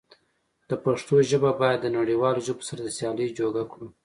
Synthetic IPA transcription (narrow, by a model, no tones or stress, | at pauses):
d̪̥əpaʂt̪oʒəbabɑjad̪ːənaɽiwɑloʒəbo̥saɾad̪əsjɑləjd͡ʒoɡakɽu